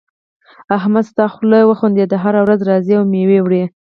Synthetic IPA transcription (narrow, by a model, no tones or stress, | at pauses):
aɦmad̪st̪ɑxləjwəxund̪ed̪əɦaɾawɾazɾɑziawmewewɽe